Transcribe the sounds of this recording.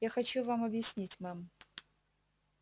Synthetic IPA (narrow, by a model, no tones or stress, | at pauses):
jaxɐt͡ɕuvamɐbjɪsʲnʲitʲmam